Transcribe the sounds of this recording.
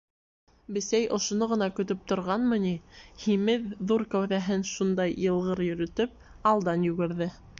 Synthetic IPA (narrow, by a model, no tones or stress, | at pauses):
bɘ̆sæjʔŏʃŏnoʁɤ̆nɑkɵ̆t̪̬ɵp̚t̪ŏɾʁɑnmɤ̆nihimɘðːuɾkæwðæɦɘnʃund̪ɑjjɤ̆lˠʁɤɾjɵ̆ɾɵ̆t̪ɵp̚ | ɑlˠd̪ɑnjʉɡɘ̆ɾðɘ